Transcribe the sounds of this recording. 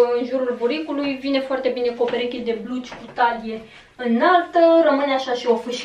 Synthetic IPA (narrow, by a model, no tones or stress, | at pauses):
ɨnʒuɾulbuɾikulujvine̞foart̪e̞bine̞kuopeɾekʲid̪e̞blut͡ʃʲkut̪ad̪ije̞ | ɨnalt̪ərəmɨneaʃaʃio̞fɨʃ